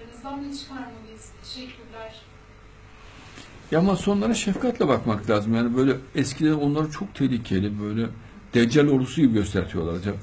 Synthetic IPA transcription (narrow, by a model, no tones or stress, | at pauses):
nzd̪anit͡ʃkaɾmɯz̥t̪ʰeʃɛkʲʰːyɾlʲæɾ̥ | jamaso̞nlˠaɾaʃɛfkʰat̪lʲˠabakmaklʲaːzɯmjaːnibø̞jlʲɛɛscʰilʲeɾno̞nlˠaɾat͡ʃʰo̞k̚t̪ʰelʲiːcʰelʲibøjlʲɛ | d̪̥ɛnd͡ʒælʲo̞ld̪usuɟibiɟø̞st̪ʰæɾt̪ʰijo̞lˠaɾˠad͡ʒak